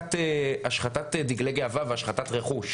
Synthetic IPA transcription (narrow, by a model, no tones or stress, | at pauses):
teaʃχatatdiɡleɡiavaveaʃχatatʁeχuʃ